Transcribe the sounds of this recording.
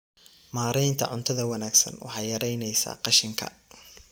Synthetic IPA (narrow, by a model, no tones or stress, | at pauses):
maːɾɛjnt̪ʰɐ̰ʕʊ̰nt̪ʰɐðɐwɐnaːɡsɐ̰nwɑ̰ħɑjɐɾɛjnɛjsa̰ːqɑʃɪŋkʰɐ̰